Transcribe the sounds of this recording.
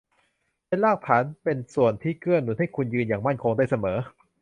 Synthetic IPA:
pe˧˥˩laː˥˩k̚t̪ʰaː˩˦npe˧nsu˨˩ənt̪ʰiː˥˩kʰɯ˥˩ənnu˨˩˦nha˥˩jkʰu˧njɯː˧njaː˨˩ŋma˥˩nkʰo˧ŋdaː˥˩jsa˧mɤː˩˦

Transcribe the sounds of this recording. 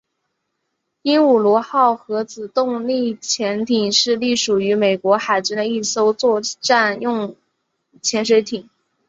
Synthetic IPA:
i˥nu˨˩lwɔ˧˥xɑ˥˩ʊxɤ˧˥t͡sɹ̩˨˩t̪ʊ˥˧ŋli˥˩t͡ɕʰjɛ˧˥nt̪ʰi˨˩ŋʂɻ̩˥˧li˥˩ʂu˨˩y˧˥me˨˩ɪkwɔ˧˥xa˨˩ɪt͡ɕy˥nd̪ə˧i˥˩so˥ʊt͡swɔ˥˧ʈ͡ʂa˥˧njʊ˥˧ŋ | t͡ɕʰjɛ˧˥nʂ̬we˧˥ɪt̪ʰi˨˩˦

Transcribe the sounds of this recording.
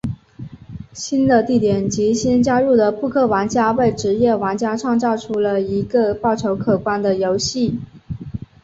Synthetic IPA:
ɕi˥nd̪ə˨t̪i˥˩t̪jɛ˨˩nt͡ɕi˧˥ɕi˥nt͡ɕja˥ɻu˥˩d̪ə˩pu˥˧kʰɤ˥˩wa˧˥nt͡ɕja˥we˥˩ɪʈ͡ʂɻ̩˧˥jɛ˥˩wa˧˥ŋt͡ɕja˥ʈ͡ʂʰwɑ˥˧ŋt͡sɑ˥˩ʊʈ͡ʂʰu˥lə˨i˧˥ɡə˧pɑ˥˩ʊʈ͡ʂʰo˧˥ʊkʰɤ˨˩kwa˥nd̪ə˨jo˧˥ʊɕi˥˩

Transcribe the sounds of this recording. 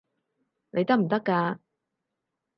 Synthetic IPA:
nʔe˨˧jt̪ɐ˥m̩˨˩t̪ɐ˥kːaː˧

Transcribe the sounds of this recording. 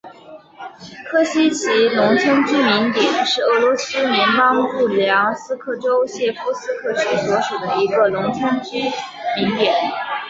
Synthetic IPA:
kʰɤ˥ɕi˥t͡ɕʰi˧˥lʊ˧˥ŋt͡sʰə˥nt͡ɕy˥mi˧˥ŋt̪jɛ˨˩˦nʂɻ̩˥˩ɤ˧˥lwɔ˧˥sɹ̩˥ljɛ˧˥npɑ˥ŋpu˥˩ljɑ˧˥ŋsɹ̩˥kʰɤ˥˩ʈ͡ʂo˥ʊɕjɛ˥˩fu˥sɹ̩˥kʰɤ˥˩t͡ɕʰi˥swɔ˧˥ʂu˨˩d̪ə˦i˧˥ɡə˧lʊ˧˥ŋt͡sʰə˥nt͡ɕy˥ | mi˧˥ŋt̪jɛ˨˦n

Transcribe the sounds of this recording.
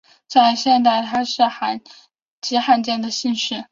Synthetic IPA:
t͡sa˥˧ɪɕjɛ˥˧nt̪a˥˩ɪt̪ʰa˥ʂɻ̩˥˩xa˧˩n | t͡ɕi˧˥xa˥nt͡ɕjɛ˥˩nd̪ə˩ɕi˥˧nʂɻ̩˥˩

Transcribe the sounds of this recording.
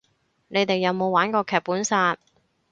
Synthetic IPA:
ne˨˧jt̪e˨jːɐ˨˧wmo˨˧waː˨˥nkɔː˧kʰɛː˨˩pːuː˨˥nsaː˧t̚

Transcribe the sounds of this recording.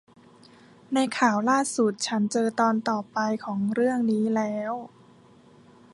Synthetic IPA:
na˧jkʰaː˨˩wlaː˥˩su˨˩t̪̚t͡ɕʰa˦˥nt͡ɕɤː˧t̪ɔː˧nt̪ɔː˨˩pa˧jkʰɔː˩˦ŋɾɯ˥˩əŋniː˦˥lɛː˦˥w

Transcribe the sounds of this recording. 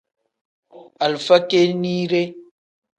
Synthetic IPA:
a˨lfa˦ke˦ni˦ɾe˦

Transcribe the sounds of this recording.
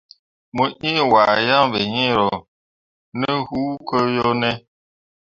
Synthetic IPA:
mu˨ʔi˦˨wa˨ja˦ŋbe˨ɲi˦˨ɾɔ˨ | nə˦hu˦kə˦jo˦nɛ˦

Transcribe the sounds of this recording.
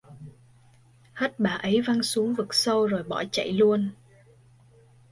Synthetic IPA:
ha˦˥t̚ɓaː˨˩ʔə˨˦jva˧nsu˨˦əŋvɨ˨˩k̚sə˧wzo˨˩jɓɔ̰˧˩t͡ɕə̰˧˨jlu˧ən

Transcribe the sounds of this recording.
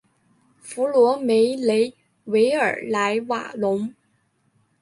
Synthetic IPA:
fu˧˥lwɔ˧˥me˧˥ɪle˧˥ɪ | we˧˥ɪə̰˞˨˩la˧˥ɪwa̰˨˩lʊ˧˥ŋ

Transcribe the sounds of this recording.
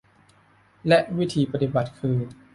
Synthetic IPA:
lɛ˦˥ʔwi˦˥t̪ʰiː˧pa˧t̪i˨˩ba˨˩t̪̚kʰɯː˧

